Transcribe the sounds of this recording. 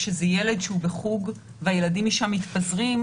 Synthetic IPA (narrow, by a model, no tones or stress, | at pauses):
ʃezejele̞dʃeubeχuɡ | veajeladimiʃamːit̪pazʁim